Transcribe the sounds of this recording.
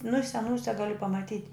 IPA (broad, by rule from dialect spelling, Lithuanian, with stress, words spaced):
nʊ ɪ sʲɛˈnuːsʲɛ ˈɡɑːlʲɪ pɐmɐˈtʲiːtʲ